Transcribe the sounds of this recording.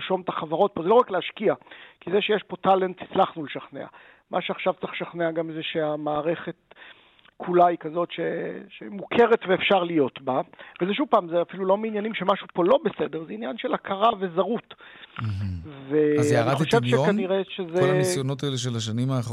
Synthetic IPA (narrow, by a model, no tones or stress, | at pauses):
ʃo̞mt̪aχavaʁo̞t̚po̞zeoakleaʃkiakizeʃejeʃpo̞tale̞nt̪hi̥t͡slaχnuleʃaχnea̰ | mʔa̰ʃeaχʃavt͡saχʃaχneaɡamezeʃeamaːʁe̞χe̞t̚ | kʰulaikazo̞tʃeʃḛmukʰe̞ʁe̞tveːfʃaʁlijo̞tbavezeʃ̬uvpaːmzeafilulo̞meinjanimʃemaʃupo̞lo̞bese̞de̞ʁzeinjanʃe̞lakʰaʁave̞zaʁut̪̩ | veaaʁaiχeʃʃevʃekaniʁeʃezesjonot̪̬aeleʃ̬elaʃ̬animaː